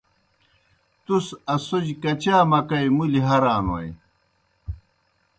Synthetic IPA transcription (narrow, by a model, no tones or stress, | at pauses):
t̪usɐsud͡ʑkɐt͡ɕaːmɐkɐjmuliɦɐɾaːnwɐ̰j